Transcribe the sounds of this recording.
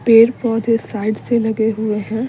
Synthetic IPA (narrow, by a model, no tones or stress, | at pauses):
peːɾpɔːd̪esaːɪɖselɐɡeɦʊeɦɛ̃ː